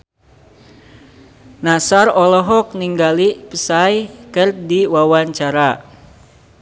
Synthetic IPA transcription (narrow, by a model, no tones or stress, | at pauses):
nasarɔlɔɦɔk̚niŋɡalipəsajkɨrdiwawaɲt͡ʃaɾa